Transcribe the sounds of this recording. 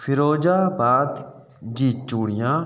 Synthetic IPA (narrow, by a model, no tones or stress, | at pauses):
pʰɪɾoːd͡ʒaːbaːd̪ | d͡ʒiːt̪̚t͡ʃuːɽɪjãː